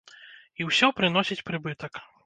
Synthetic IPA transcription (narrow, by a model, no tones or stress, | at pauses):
iwsʲɔpɾɨn̪ɔsʲit͡sʲpɾɨbɨt̪ɐk